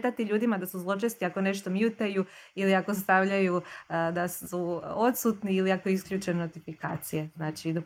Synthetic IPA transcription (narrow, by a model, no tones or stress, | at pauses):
t̪at̪iʎuːd̪imad̪asuzlˠo̞t͡ʃest̪iako̞ne̞ʃt̪o̞mjut̪ajuiliako̞st̪aʋʎajud̪asuo̞t̪sut̪niiliakojeiskʎʲut͡ʃenot̪ifika̰ːt̪sijeznaːt͡ʃid̪